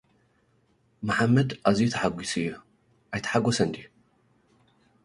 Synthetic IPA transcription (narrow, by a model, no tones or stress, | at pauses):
maħamːɐd̪ʔazijut̪ʰaħaɡʷisɨjːu | ʔajt̪ʰɐ̥ħaɡʷɔsɐnd̪i